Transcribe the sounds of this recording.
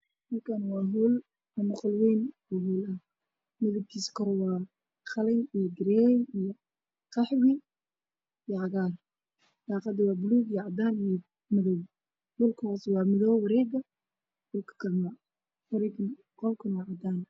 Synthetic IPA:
ɔlkʰanwɑːɦul | ɐmʊqɔlwɛjn | uːɦuːlɐh | mɪðɐb̚kʰiːskʰɔɾɔwɑː | χɑlɛjijɔɡɪɾɛnijɔ | qɑħwɪ | ijɔʕɑɣaːr | d̪ɑːqɑd̪ɪwɑːbʊluːɡijʕɑd̪aːnijɔ | mɪðɔw | dʊlkʰɔːswɑːmɪðɔwwɑɾɛːɡɐ | d̥ʊlkʰɐ̥kʰɐlma | wɑɾɛɡ | qɔlkʰʊnwɑːʕɑd̪aːn

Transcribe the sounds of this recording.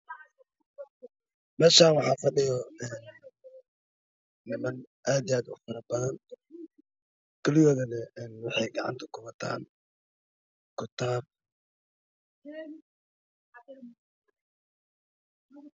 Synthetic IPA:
mɛːʃaːnwɑħɑːfɐɖɪjɔɛːn | ɪmɐn | ʔaːd̪ijaːd̪ʊ̰fɐɾɐbɐðɐn | kʰɐlɪjɔːðɐnɛɛːnwɑħɛjɡɑʕɑ̰nt̪ʰɐ̥kʰʊβɐt̪ʰa̰ːn | kʰʊt̪ʰaːb̚

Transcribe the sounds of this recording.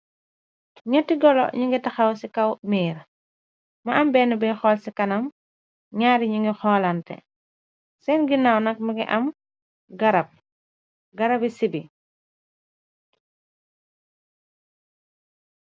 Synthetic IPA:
ɲɐtːiɡɔlɔ̰ɲiŋɡitɐxawsikɐwmiːɾ | mɐɐmbɛːnubɛxɔːlsikɐnɐm | ɲaɾiɲiŋɡixɔlantɛ̰ | sɛnɡinawnɐk̚miɡḭʔɐm | ɡɐɾɐp̚ | ɡɐɾɐbisibi

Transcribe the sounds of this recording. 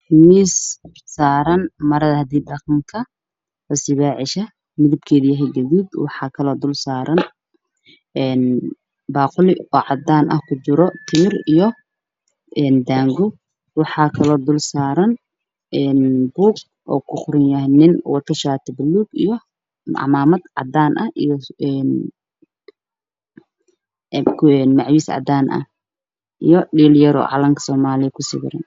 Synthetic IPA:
hwiːs | saːɾɐnmɐɾɐðɐhɐd̪iːdɐqmkʰɐ | wɐsɪβaːʕɪʃɐ | mɪðɪb̚kʰɛːðijɐɦɛjɡɐðiːd̪wɑħɑːkʰɐlɔːd̪ʊlsaːɾɐn | ɛːn | baːqʊlɪɔːʕɑd̪aːnʔɐ̰hkʰʊt͡ʃɪɾɔt̪ʰɪmɪrijɔ | ʔɛːnd̪aːŋɡʊ | wɑħɑːkʰɐlɔːd̪ʊlsaːɾɐn | ɛːnbuːɡ | ʔɔ̰ːkʰʊχʊɾɪnjɐɦnɪnwɑrkʰɐʃaːt̪ʰɐbɐluːɡijɔ | ʕɑ̰maːmɐd̪ʕɑ̰d̪aːnʔɐhʔijɔɛn | ɛnmɑʕwisʕɑ̰d̪aːnʔɐ̰h | ʔijɔɖiːljɐɾɔ̰ːʕɑ̰lɐŋkʰɐ̥sɔːmaːlɪkʰʊsɪ̰bɪɾɐ̰n

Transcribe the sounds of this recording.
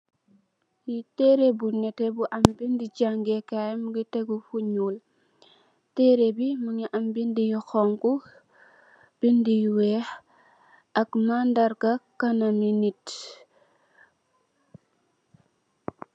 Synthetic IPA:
jitɛɾebunɛtebuʔambindid͡ʒaŋɡekamɡiteɡufuɲul | teɾebimuɲiʔambindijuxɔŋku | b̥indijwɛh | ɐkmandaɾkakanaminit

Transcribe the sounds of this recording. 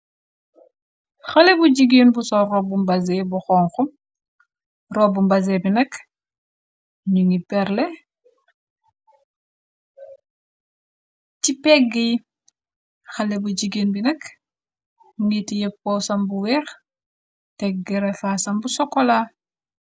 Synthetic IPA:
xɐlebuɟiɡeːnbusɔrɔbumbɐzebuxɔŋxum | rɔbumbɐzebinɐk | ɲuŋipɛɾle | cipɛɡːi | xɐlebuɟiɡinbinɐk | ŋitijep̚kɔsɐmbuwɛx | tɛɡɡɛɾefasɐmbusɔkːɔla

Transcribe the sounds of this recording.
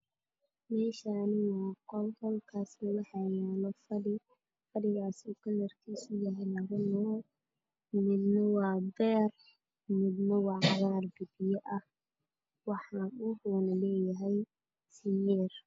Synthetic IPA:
mɛːʃaːnɪwɑːqɔlhɔlkʰaːsnɐwɑħɑjɛːlɔfɐɽɪ | fɐɽɪɣaːsuːkʰɐlɐrkʰiːsʊjɐɦɛjlɐɣɐnɔ | mɪd̪nɐwɑːbɛːr | mɪd̪nɐwɑʕɑɣaːrɡɐbɪjɐʔɐh | wɑħɑʊhɔːnɐlɛːjɐɦɛj | sɪnɛːr

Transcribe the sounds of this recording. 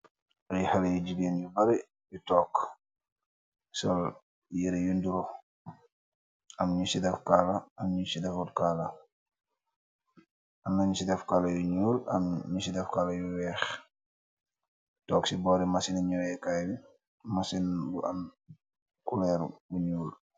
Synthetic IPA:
ʔajhalajud͡ʒiɡeːnjubaɾi | bitɔk | sɔl | jiɾɛjunduɾɔ | ʔamɲusidɛfkalaamɲusidɛfuɾkala | ʔanːaɲusidɛfkalajuɲuːla̰mɲusidɛfkalajuwɛːx | tɔksibɔɾimasinaɲɔwɛkajbi | masinbuʔa̰n | kulɛɾbuɲuːl

